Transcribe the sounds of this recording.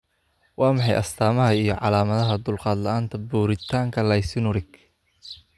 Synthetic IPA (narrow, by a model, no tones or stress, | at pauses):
wɑːmɑħɑjʔɐ̰st̪ʰaːmɐɦɐijɞʕɑ̰laːmɐðɐɦɐd̪ʊlqɑːd̪lɐaːnt̪ʰɐbuːɾɪt̪ʰaːŋkʰɐlɐjsɪnʊɾɪɡ